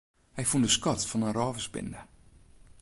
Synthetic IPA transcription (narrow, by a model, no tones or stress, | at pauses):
hɛjfundəskɔtfɔnənrɔːvəsbɪ̰ndə